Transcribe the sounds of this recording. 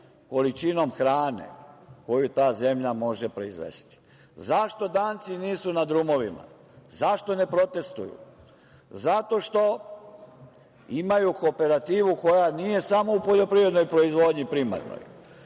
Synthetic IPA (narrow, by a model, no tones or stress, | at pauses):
ko̞lit͡ʃino̞mxɾaːnḛko̞jut̪aːze̞mʎamo̞ʒepɾo̞izʋḛst̪i̥ | zaʃt̪o̞d̪aːnt̪siniːsunad̪ɾumo̞ʋima̰ | zaʃt̪o̞ne̞pɾo̞t̪e̞st̪ṵjṵ | zat̪o̞ʃt̪o̞ | imajuko̞pe̞ɾat̪iːʋuko̞janije̞samo̞upo̞ʎo̞pɾiʋɾe̞d̪no̞jpɾo̞izʋo̞d̪ɲipɾima̰ɾno̰j